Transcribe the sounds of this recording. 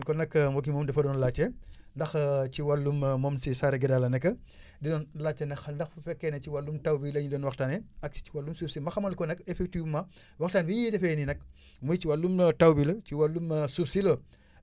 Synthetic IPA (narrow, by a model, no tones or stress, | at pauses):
lkɔnɐkːmɔk̬imɔmdɛfɐdɔːnlat͡ʃːɛndɐxciwalːummɔmsisaːɾɛɡɛdalɐnɛkːɐ | didɔnlat͡ʃːɛnɐxndɐxfufɛkːɛnɛciwalːumtawbilɐɲidɔːnwɐktaːnɛɐk̚iwalːumsupsimɐxɐmɐlkɔnɐkːɛfɛk̚tima | waxtaːnbiɲidɛfɛninɐk | mujt͡ʃiwalːumtawbilɐt͡ʃiwalːumsubsilɐ